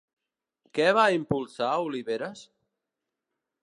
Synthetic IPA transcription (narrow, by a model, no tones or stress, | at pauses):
kɛβaimpulˠsauliβeɾas